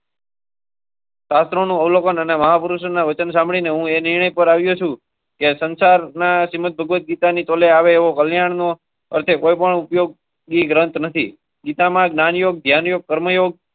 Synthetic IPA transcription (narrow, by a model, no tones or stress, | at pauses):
ʃast̪ɾonũəʋlokənəneməɦapəɾuʃənaʋət͡ʃənsãmbɭineɦũenɪɾɳ̃əjpəɾaʋjũt͡ʃʰũ | kesənsaɾnaʃimət̪̚bʱəɡʋət̪̚ɡit̪anit̪oleaʋeːʋokəljaɳno | əɾt̪ʰekojpəɳupjoɡ̚ | ɡiɡɾənt̪nət̪ʰḭ | ɡit̪amãɡnanjoɡ̚d̪ʱjanjoɡ̚kəɾməjoɡ̚